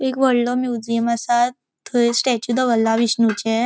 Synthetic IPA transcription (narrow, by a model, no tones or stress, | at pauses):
ekʋəɽlɔmjud͡ʑiəmasa | t̪ʰːəesʈɛt͡ɕud̪əɡəlːaʋisnut͡ɕe